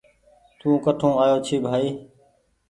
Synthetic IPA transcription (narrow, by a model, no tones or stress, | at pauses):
t̪ũːkəʈʰũːaːjoːt͡ʃʰiːbʱaːiː